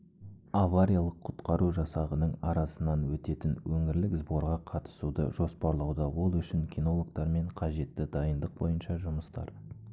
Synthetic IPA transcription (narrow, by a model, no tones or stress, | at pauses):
avaɾʲijalˠəqʰːʊ̥t̪qɑɾuʒɑsɑʁənəɴɑɾɑsənɑnwɵt̪e̞t̪ɪnwɵŋɪɾlɪkzbo̞ɾʁɑqʰɑt̪ə̥sud̪ə̰ʒo̞spɑɾlˠɑwd̪əwo̞lˠʏʃɪŋkʲino̞lˠokt̪ɑɾme̞ɴqʰɑʒe̞t̪ːɪd̪ɑjənd̪əq̚bo̞̰jənʃɑʒʊməst̪ɑ̰ɾ